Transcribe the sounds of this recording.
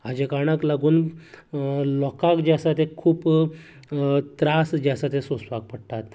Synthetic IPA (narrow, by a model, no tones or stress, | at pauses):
ad͡ʑekaɽ̃aklaɡuːn | lɔkakd͡ʑasat̪ekʰuːp | t̪ɾasd͡ʑasat̪esosʋak̚pəɽʈ̪at̪